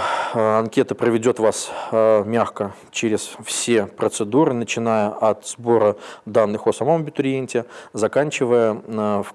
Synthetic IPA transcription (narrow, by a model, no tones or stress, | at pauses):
ɐnkʲe̞t̪əpɾəvʲɪdʲo̞t̪vasmʲaxkə | t͡ɕeɾʲɪsfsʲe̞pɾət̪sɨd̪uɾɨnət͡ɕɪnajəʔɐt̪z̥bo̞ɾəd̪anːɨxosɐmomɐbʲɪt̪ʊɾʲɪenʲtʲɪzɐkanʲt͡ɕɪvəjəf